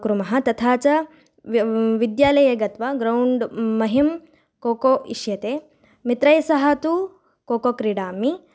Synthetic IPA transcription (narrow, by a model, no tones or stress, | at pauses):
kɾumɐɦɐt̪ɐt̪ʰaːt͡ʃɐ | ʋid̪jaːlɐjɐɡɐt̪ʋɐɡɾɐwɳɖmɐɦim | koːkoːʔiʃjɐt̪eː | mit̪ɾɐjsɐɦɐt̪u | koːkokɾiɽaːmi